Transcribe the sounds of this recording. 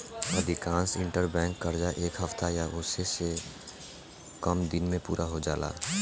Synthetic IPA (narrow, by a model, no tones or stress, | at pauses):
əd̪ʱɪkãːnsɪ̃ɳʈəɾbɛ̃ːŋkːəɾd͡ʒaʔeːkɦəft̪ajaʔʊːsese | kəmd̪ɪnmẽpuːɾʔaɦod͡ʒaːla̰ː